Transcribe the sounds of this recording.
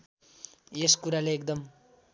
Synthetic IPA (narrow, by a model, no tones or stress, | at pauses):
eskuɾaleek̚d̪ʌm